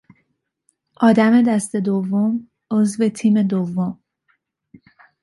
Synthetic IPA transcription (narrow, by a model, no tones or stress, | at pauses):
ʔɒːd̪æme̞d̪æst̪e̞d̪ovːom | ʔozve̞t̪ʰiːme̞d̪ovːom